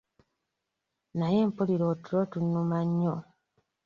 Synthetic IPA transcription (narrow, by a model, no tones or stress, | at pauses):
najeːmpuliɾotuɾotunːumaɲːo